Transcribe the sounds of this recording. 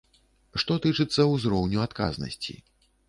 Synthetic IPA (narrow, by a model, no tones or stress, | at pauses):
ʂt̪ɔt̪ɨt͡ʂɨt̪sːɐwzɾɔwnʲuat̪ka̰znɐ̰sʲt͡sʲḭ